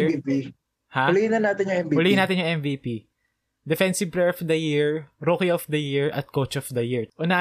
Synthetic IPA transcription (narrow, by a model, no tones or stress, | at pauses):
pi | haliɪnɐnaːt̪ɪnjʊŋɛmbiʊliɪnaːt̪ɪnjʊ̃ŋʔɛmvipi | d̪ɛfɛnsɪvpɾɛɹɔfd̪ɐjiɹɾokɪɔfd̪ɐjiɹʔɐ̰t̪̚kot͡ʃɔfd̪ɐjiɹʔʊna